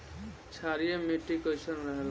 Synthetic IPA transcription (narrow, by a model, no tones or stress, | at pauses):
t͡ʃʰaɾijemeʈːikəjsənɾəɦel